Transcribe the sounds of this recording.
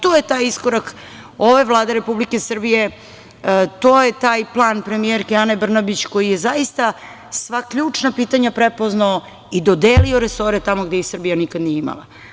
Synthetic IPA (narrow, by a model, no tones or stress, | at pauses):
t̪oje̞t̪aːjiskoɾak | oʋaʋlˠaːd̪eɾe̞publike̞sr̩bije̞ | t̪oːjet̪aːjplˠaːnpɾe̞mieɾkeanebr̩nabit͡ɕko̞jijezaist̪a | sʋakʎuːt͡ʂnapiːt̪aɲapɾepo̞znao | id̪o̞d̪eːlio̞ɾeso̞ɾet̪amo̞ɡd̪ejisr̩bijanikad̪nijeima̰lˠa̰